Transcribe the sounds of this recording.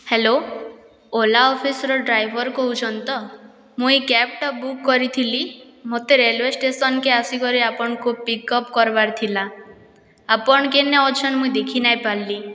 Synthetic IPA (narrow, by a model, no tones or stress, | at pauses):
helo | olaɔpʰisɔɾɔɖɾajbʱɔɾkɔɦut͡ʃʰɔnt̪ɔ | mũjkɛpʈɔbukːɔɾit̪ʰilimot̪eɾelwesʈesɔnkeasikɔɾiapɔɽ̃ɔkupikɔpkɔɾbaɾt̪ʰila | apɔɽ̃ɔkeneɔt͡ʃʰɔnmũid̪ekʰinajpalːi